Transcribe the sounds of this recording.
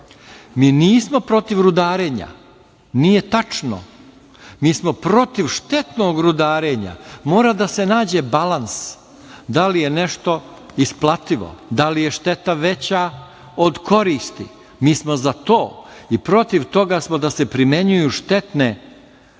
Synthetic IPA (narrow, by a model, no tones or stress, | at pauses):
miːniːsmo̞pɾo̞t̪iʋɾud̪aːɾeːɲa̰ | nije̞t̪at͡ʂno̰ | miːsmo̞pɾo̞t̪iʋʃt̪e̞t̪no̞ːɡɾud̪aːɾe̞ːɲa̰mo̞ːɾad̪ase̞naːd͡ʑe̞balans | d̪alije̞ne̞ʃt̪o̞ | isplˠat̪iʋo̞̰d̪alije̞ʃt̪e̞t̪aʋe̞t͡ɕa | od̪kʰo̞ɾiːst̪i | miːsmo̞zat̪o̞ːipɾo̞t̪iʋt̪o̞ɡaːsmod̪asepɾimeɲujuːʃt̪e̞t̪ne̞